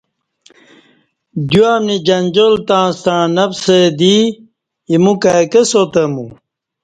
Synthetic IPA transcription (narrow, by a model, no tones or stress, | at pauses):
d̪uamnid͡ʑɐnd͡ʑolt̪ãːst̪ãːnɐpsed̪i | imũkakesot̪ɐmṵ̃